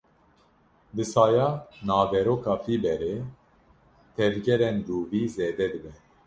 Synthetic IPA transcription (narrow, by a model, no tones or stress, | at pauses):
b̪ɨsɑːjɑːnɑːvɛɾoːkɑːfiːbɛɾe | t̪ʰɛvɡɛɾɛnd̪uːviːzeːd̪ɛd̪ɨbɛ